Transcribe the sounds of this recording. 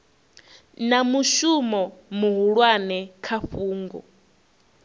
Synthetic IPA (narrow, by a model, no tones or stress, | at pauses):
namuʃumɔmuɦuɺwanɛkʰaɸuːŋɡɔ̰